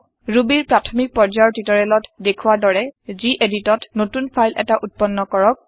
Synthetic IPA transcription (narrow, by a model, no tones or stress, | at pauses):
ɹubiɹpɹatʰɔmik̚pɔɹd͡ʒajɔtitɔɹɛlɔtdekʰuwadɔɹɛziʔeditɔtnotunpʰajlʔɛ̰taʔut̚pɔnːɔkɔɹɔk̚